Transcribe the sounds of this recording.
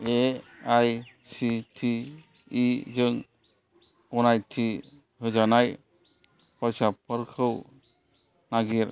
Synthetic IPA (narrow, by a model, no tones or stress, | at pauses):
eajsitʰiː | zɯŋ | ɔnajtʰi | hɯzanaj | pʰɔjsapʰɯɾkʰɯw | naɡiɾ